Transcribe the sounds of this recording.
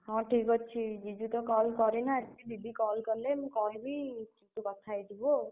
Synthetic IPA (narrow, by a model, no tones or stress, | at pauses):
hɔ̃ʈʰikɔt͡ʃʰid͡ʒid͡ʒut̪ɔkɔlkɔɾinaib̪ʱib̪ʱikɔlkɔɾlemũkɔɦebit͡ʃit̪ukɔt̪ʰajd͡ʒibo